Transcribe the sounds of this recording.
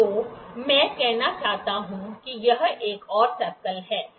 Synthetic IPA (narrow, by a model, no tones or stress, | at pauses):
oːmɛ̃ːkɛɦnat͡ʃaːɦt̪aɦũkijɐɦeːkɔːɾsɐɾkəlɦɛː